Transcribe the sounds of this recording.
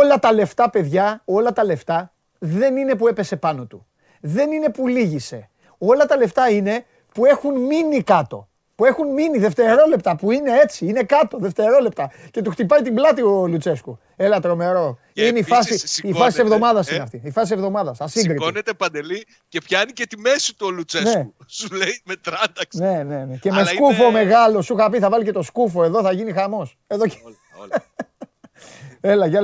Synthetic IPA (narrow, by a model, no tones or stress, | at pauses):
olɐt̪ɐle̞ft̪ɐpe̞ðʝɐo̞lɐt̪ɐle̞ft̪ɐ | ðe̞nine̞pue̞pe̞se̞pɐno̞t̪u | ðe̞nine̞puliʝise̞ | o̞lɐt̪ɐle̞ft̪ɐine̞ | pue̞xunminikɐt̪o̞̰ | pue̞xunminiðe̞ft̪e̞ɾo̞le̞pt̪ɐpuine̞e̞t͡siine̞kɐt̪o̞ðe̞ft̪e̞ɾo̞le̞p̚t̪ɐce̞t̪uxt̪ip̬ɐjt̪iblɐt̪io̞lut͡se̞sku | e̞lɐt̪ɾo̞me̞ɾo̞ | ineifɐsiifɐsise̞vðo̞mɐðɐsinneɐft̪iifɐsise̞vðo̞mɐðɐsθɐsiŋɡɾitonet̪epɐnd̪eli | cepçɐnicet̪ime̞si̥t̪uolut͡senseu | suleimet̪ɾɐnd̪ɐkne̞ne̞nece̞meskufo̞me̞ɣɐlosuxɐpiθɐvɐlice̞t̪o̞skufo̞e̞ðo̞θɐʝinixɐmo̞s | e̞ðo̞̥ | elɐʝɐ